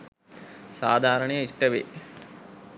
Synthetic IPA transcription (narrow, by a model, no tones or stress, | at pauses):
saːd̪ʱaːɾɐɳɐjɐiʂʈɐʋḛ